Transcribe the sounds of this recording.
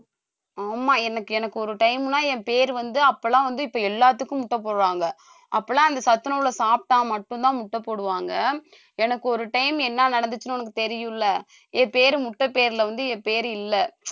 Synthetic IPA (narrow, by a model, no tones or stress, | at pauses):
aːmaːɛnɐkːɯɛnɐkːɯɔɾɯʈɐɪmnaːɛ̃peːɾʋɐnd̪ɯɐpːɐlãːʋɐnd̪ɯɪpːoːɛlːaːt̪̬ːɯkːɯ̃mʊʈːɐpːoːɽɯʋaːŋɡɐ | ʔɐpːɐlãːɐnd̪ɐsɐt̪ːɯnɐʋɪlɐsaːp̚ʈaːmɐʈːɯ̃nt̪ãːmʊʈːɐpːoːɽɯʋaːŋɡɐ | ɛnɐkːɯɔɾɯʈɐɪmɛnːanɐɽɐnd̪ɯt͡ʃːɯnɯɛnɐk̬ːɯ̥t̪ɛɾɪjɯ̃lːɐ | eːpeːɾɯmʊʈːɐpeːɾɪlɐʋɐnd̪ɯeːpeːɾɪlːɐ